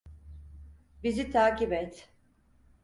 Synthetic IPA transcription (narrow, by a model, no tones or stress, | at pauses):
bizit̪ʰaːcibɛt̪